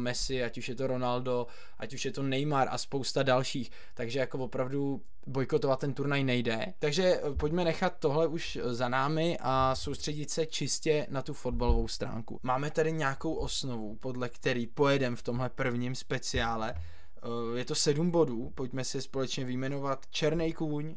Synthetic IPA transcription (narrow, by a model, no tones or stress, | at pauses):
mɛsɪacuʃjɛt̪o̞ɾo̞naldo̞ | ʔacuʃjɛt̪o̞nɛjmaɾʔa̰spo̞wst̪adalʃiːx | t̪aɡʒɛjako̞vo̞pɾavdu | bo̞jkot̪ovat̪ːɛnt̪uɾnajnɛjdɛt̪aɡʒɛpocmɛnɛxat̪ːo̞ɦlɛʔuʃ | zanaːmɪʔaso̞wst̪r̝̥ɛɟɪt̪sɛt͡ʃɪscɛnat̪ufo̞d̚balovowst̪ɾa̰ːŋkṵmaːmɛt̪adɪɲaːko̞wʔo̞sno̞vupo̞dlɛkt̪ɛɾiːpo̞jɛdɛmft̪o̞mɦlɛpr̩vɲimspɛt͡sɪaːlɛ | jɛt̪o̞sɛdumbo̞duːpo̞cmɛsɪspo̞lɛt͡ʃɲɛvɪjmɛno̞vat̪t͡ʃɛɾnɛjkuːɲ